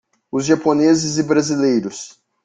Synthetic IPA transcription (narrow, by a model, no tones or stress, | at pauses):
ʊzʒaponezɪzɪbɾazilejɾʊs